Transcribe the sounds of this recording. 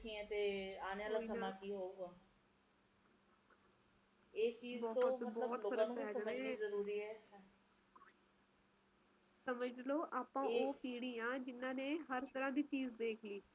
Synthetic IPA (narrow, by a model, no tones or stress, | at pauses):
kʰĩɛ̃ːt̪eːaːnãːlasəaːkiːɦoːuɡaː | eːt͡ʃiːzbɔːtbɔːt̪ʰəɛːsənəeizəɾuːɾiːɛː | səməd͡ʒloːʔaːpãːoːpiːɽiːãːd͡ʒɪnãːnẽːɦəɾt̪əɾãːd̪iːt͡ʃiːzd̪eːkʰliː